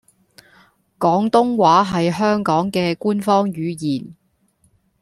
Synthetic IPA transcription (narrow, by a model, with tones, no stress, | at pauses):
kɔː˨˥ŋt̪ʊ˥ŋwaː˨˥ɦɐ˨jɦœː˥ŋkɔː˨˥ŋkɛː˧kuː˥nfɔː˥ŋjyː˨˧jiː˨˩n